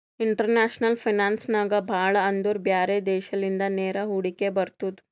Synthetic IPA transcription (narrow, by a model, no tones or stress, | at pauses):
iɳʈɐɾnaːʃnɐlpʰinaːnsnaːɡɐbʱaːɭɐːnd̪uɾbjaːɾed̪ɛːʃɐlind̪ɐneːɾɐɦuɽikebɐɾt̪ud̪u